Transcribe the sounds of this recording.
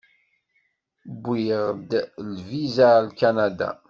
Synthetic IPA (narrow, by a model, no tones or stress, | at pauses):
bʷːiʁd̪lvizalkænad̪a̰